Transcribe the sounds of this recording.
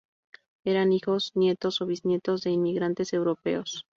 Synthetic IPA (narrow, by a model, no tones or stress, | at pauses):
e̞ɾanixo̞snje̞t̪o̞soβiznje̞t̪o̞zðe̞inmiɣɾant̪e̞se̞wɾo̞pe̞o̞s